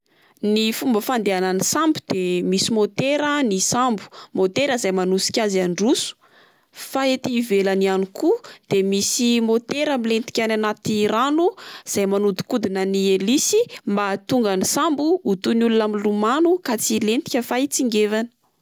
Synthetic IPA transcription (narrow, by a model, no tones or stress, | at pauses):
nifumbəfand̪eananisambud̪̥emisimot̪eɾənisambu̥mot̪eɾəzajmanusi̥kʲazaɳɖ͡ʐusu̥ | faet̪ivelanianikud̪̥emisimot̪eɾamilent̪i̥kʲananat̪iɾanuz̥ajmanud̪u̥kud̪inənielisimbat̪uŋɡanisambuut̪unulunamilumanukat͡silent̪i̥kʲəfait͡siŋɡevanə̥